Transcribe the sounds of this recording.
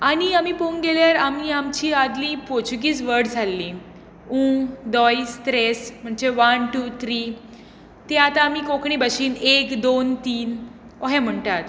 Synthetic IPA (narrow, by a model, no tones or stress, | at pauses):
aɽ̃iamipoŋɡeljaɾamiamt͡ɕiːad̪lĩpot͡ɕuɡiːt͡sʋəɾɽd͡zʱalːĩ | ũd̪ɔjst̪ɾesm̤əɳd͡zeʋənʈuːt̪ʰɾiː | t̪ẽat̪aːmikokɳiːbəɕiːnekd̪ont̪iːn | oɦɛ̃m̤əɳt̪at̪